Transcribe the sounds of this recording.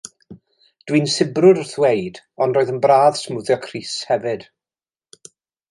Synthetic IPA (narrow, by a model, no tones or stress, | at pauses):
d̥winsɪbrʊɾərθwejd | ɔndroːɨðənbraːðsmuðjɔkʰriːshɛvɨd̥